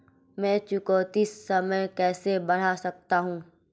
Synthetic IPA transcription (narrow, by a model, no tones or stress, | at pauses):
mɛ̃ːt͡ʃʊkoːt̪isːɐməjkɛːsebɐɽ̤asɐk̚t̪aɦũː